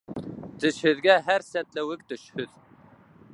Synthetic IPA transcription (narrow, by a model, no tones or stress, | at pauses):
t̪ʰɪʃhɪðɡʲɛɦæɾsɛt̪lɪwɪk̚ʲt̪øʃhʏð̥